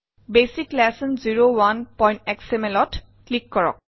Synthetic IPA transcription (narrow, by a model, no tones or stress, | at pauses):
besiklɛsənziɹowanpɔj̃ntɛksemelɔt | klikːɔɹɔ̰k̚